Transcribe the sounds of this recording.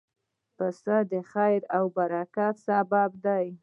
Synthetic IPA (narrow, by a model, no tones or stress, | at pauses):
pəst̪ad̪əxajɾawbaɾakat̪sabɑbd̪aj